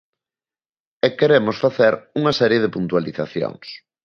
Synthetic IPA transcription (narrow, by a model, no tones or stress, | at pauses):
ɛkːeɾemʊsfaθeɾuŋasɛɾjeð̞ɪpunt̪waliθaθjo̰ŋs